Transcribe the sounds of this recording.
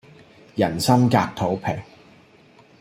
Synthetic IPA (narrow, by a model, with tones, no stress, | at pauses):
jɐ˨˩nsɐ˥mkaː˧k̚t̪ʰo˨˥wpʰɛ˨˩ŋ